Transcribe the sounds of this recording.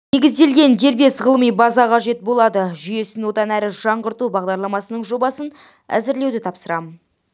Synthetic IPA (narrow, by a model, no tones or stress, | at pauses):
ne̞ɡʲɪzd̪e̞lɡʲe̞nd̪e̞ɾbe̞sʁəlˠmijbɑzɑqʰɑʒe̞t̪̚bo̞lˠɑd̪əʒʏje̞sɪnwo̞t̪ɑnæɾɪʒ̥ɑɴʁəɾt̪ubɑʁd̪ɑɾlˠɑmɑsənəɴʒo̞bɑsən | æ̰zɪɾle̞wd̪ɪt̪ʰɑpsəɾɑmən